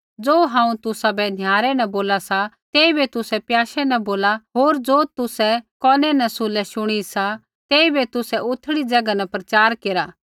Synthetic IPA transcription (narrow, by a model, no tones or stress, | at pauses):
d͡zoːɦãːũt̪ʊsabɛnʱjaːɾɛnɛ̃boːlasat̪ɛːibet̪ʊsɛpjaːʃɛnɛ̃boːlaɦoːɾd͡zoːt̪ʊsɛkɔːnɛnɛsʊlɛʃʊɽ̃isa | t̪ɛːibet̪ʊsɛʊt̪ʰɽid͡zɐɡanɛpɾɐt͡ʃaːɾkeːɾaː